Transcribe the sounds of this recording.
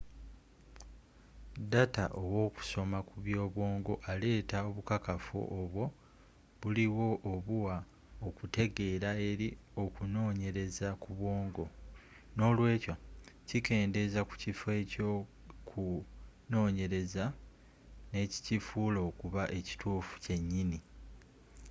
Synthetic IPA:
data̰ʔowo̞ːku̥so̞makuβjo̞ːβwo̞ːŋɡo̞ʔale̞ːtaoβukakafṵʔoβwo̞ | βuliwo̞ʔːβuwa | okute̞ɡe̞ːɾae̞ɾio̞kuno̞ːɲe̞ɾe̞zakuβwo̞ːŋɡo̞ | no̞ːlwe̞ːcocike̞ːnde̞zaku̥cife̞ːco̞ | kʰu | no̞ːɲe̞ɾe̞za | ne̞ːci̥cifuːlo̞kuβaʔe̞ci̥tʰuːfu̥ce̞ɲːini

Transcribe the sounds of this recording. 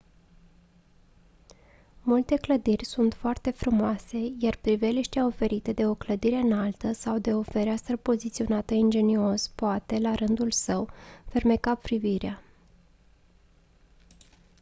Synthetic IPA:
mult̪e̞kləd̪irʲsunt̪foart̪e̞fɾumoase̞jarpɾive̞liʃt̪eao̞fe̞ɾit̪e̞d̪e̞o̞kləd̪iɾe̞ɨnalt̪əsawd̪e̞o̞fe̞ɾeast̪ɾəpo̞zit̪sio̞nat̪əind͡ʒe̞nio̞spoat̪e̞laɾɨnd̪ulsəwfe̞rme̞kapɾiviɾea

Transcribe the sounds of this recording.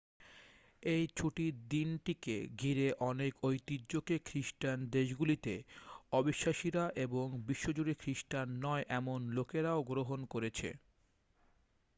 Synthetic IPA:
ejt͡ɕʰuʈid̪inʈikḛɡʱiɾeʔɔnekojt̪idːokekʰɾiʃʈand̪eʃɡulit̪eɔbiʃːaʃiɾaʔeboŋbiʃːod͡ʑuɽikʰɾiʃʈanːɔeʔɛmonlokeɾaoɡɾoɦonkoɾet͡ɕʰḛ

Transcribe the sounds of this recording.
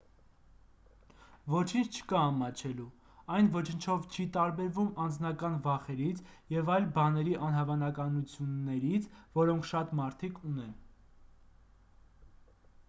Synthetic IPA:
vɔt͡ʃʰint͡sʰt͡ʃʰə̥kɑːmɑt͡ʃʰɛlu | ɑjnvɔt͡ʃʰənt͡ʃʰɔvt͡ʃʰit̪ɑɾbɛɾvumɑnd͡znɑkɑnvɑχɛɾit͡sʰjɛvɑjlbɑnɛɾiʔɑnɦɑvɑnɑkɑnut͡sʰjunːɛɾit͡sʰvɔɾɔŋkʰʃɑt̪mɑɾt̪ʰikʰunɛn

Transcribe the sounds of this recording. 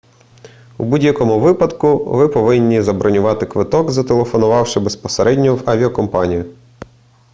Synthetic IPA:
ṵbudʲjɐkɔmʊʋɪpɐd̪kʊʋɪpɔʋɪnʲːizɐbɾɔnʲʊʋɑt̪ɪkʋɪt̪ɔɡzɐt̪elˠefɔnʊʋɑwʃɪbespɔseɾʔɛdʲnʲɔwɐʋʲiɔkɔmpɑnʲijʊ

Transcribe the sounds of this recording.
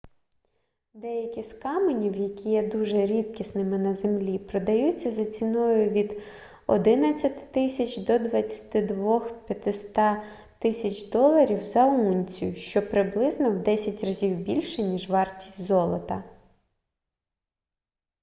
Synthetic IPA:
d̪ɛjɐkʲiskɑmenʲiwjɐkʲijɛd̪uʒɛɾʲit̪kʲisnɪmɪnɐzemlʲipɾɔd̪ɐjut͡sʲːɐzɐt͡sʲinɔjʊʋʲid̪ | ɔ̰d̪ɪnɐt͡sʲːɐt̪ɪ̥t̪ɪsʲɐt͡ʃd̪ɔd̪ʋɐt͡sʲːɐ̥t̪ɪd̪ʋɔxpʲjɐt̪ɪst̪ɑ | t̪ɪsʲɐt͡ʃd̪ɔlˠɐɾʲiwzɐunʲt͡sʲijʊʃt͡ʃɔpɾɪblˠɪznɔwd̪ɛsʲɐtʲrɐzʲiwbʲilʲʃɛnʲiʒʋɑrtʲi̥sʲtʲzɔlˠɔt̪ɐ

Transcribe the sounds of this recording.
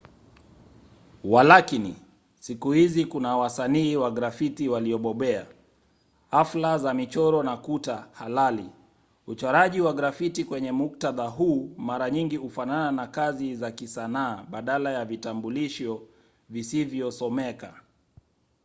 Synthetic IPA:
walakinḭ | sikuhizikunawasaniːwaɡɾafitiwaliɔɓɔɓɛa̰ | aflazamit͡ʃɔɾɔnakutahalali | ut͡ʃaɾaʄiwaɡɾafitikwɛɲɛmuk̚taðaɦuːmaɾaɲiŋɡihufanananakazizakisanaːɓaɗalajavitambuliʃɔ | visivjɔsɔmɛka

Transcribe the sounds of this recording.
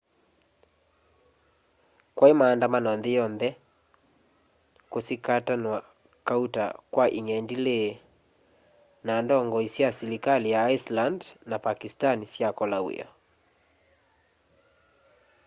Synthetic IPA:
kwʔaemaːndamanɔnðɛjɔnðɛ | kosikatanwa | kauta̰kwaʔiŋɛndile | nandɔŋɡɔisjasilikalijaːislandnapakistanisjakɔlawḛɔ

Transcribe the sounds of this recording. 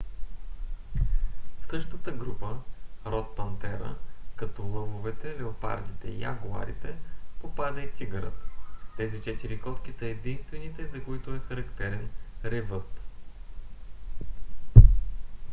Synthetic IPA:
fsɤʃt̪ət̪əɡɾupəɾɔspɐnt̪ɛɾə̰kɐt̪ɔlˠɤvovɛt̪ɛlɛopa̰ɾd̪it̪ɛ̰ḭja̰ɡʊa̰ɾḭt̪ɛpopad̪əit̪siɡəɾə̰t̪t̪ɛzit͡ʃɛt̪iɾikɔt̪k̟isəɛd̪inst̪vɛnit̪ɛzɐkoit̪ʊɛxɐɾɐkt̪ɛɾɛnɾɛvɤt̪

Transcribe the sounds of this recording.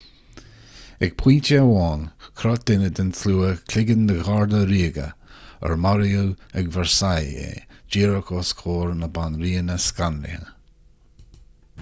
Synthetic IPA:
ɛɡ̚pʰw̥iːntəwɔːnkʰɾɔt̚d̥̪ɪnəd̪ɪnθluːəkʰlɪɡəndəɡaɹd̪əɾiːɡə̰ə̰ɹmaɾiuɛɡvɛɹsajḛd͡ʒiːɹəkʰoskʰoːɹnəbanɾiːnəskanlɪ̰hə

